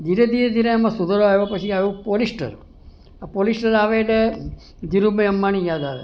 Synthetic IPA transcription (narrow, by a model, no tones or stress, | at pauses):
d͡ʒiɾed̪iɾed̪iɾeemãsud̪əɾoaeʋopət͡ʃʰiajũpolisʈə̰ɾ | apolisʈəɾaʋeɖe | d͡ʒiɾubəəmːañijaːd̪aʋḛ